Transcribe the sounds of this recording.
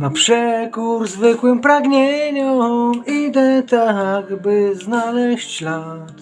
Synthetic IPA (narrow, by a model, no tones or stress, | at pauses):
napʂɛkuɾzvɘkwɘmpɾaɡɲɛɲɔid̪ɛt̪aɦakbɘznalɛɕt͡ɕlat̪